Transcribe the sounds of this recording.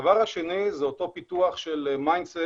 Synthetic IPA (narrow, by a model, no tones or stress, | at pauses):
vaʁhaʃenizeot̪o̞pit̪uaχʃelmajnse